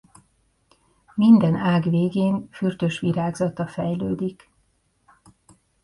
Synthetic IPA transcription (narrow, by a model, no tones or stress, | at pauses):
mind̪ɛnaːɡveːɡeːnfyrt̪øːʃʋiɾaːɡzɒt̪ɒfɛjløːd̪ik